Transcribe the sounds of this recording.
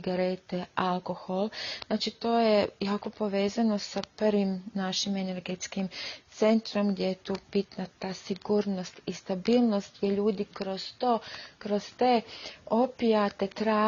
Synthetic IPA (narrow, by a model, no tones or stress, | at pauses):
ɡaɾet̪ealko̞xolˠznaːt͡ʃit̪o̞ːjejako̞po̞ʋe̞ːzano̞saprʋimnaʃimene̞ɾɡet̪skimt̪se̞nt̪ɾo̞mɡd̪jejet̪uːb̥it̪nat̪aːsiɡuːɾno̞st̪ist̪abiːlˠno̞st̪̚ɡjeʎuːd̪ikɾoz̥t̪okɾost̪eːopiat̪et̪ɾaː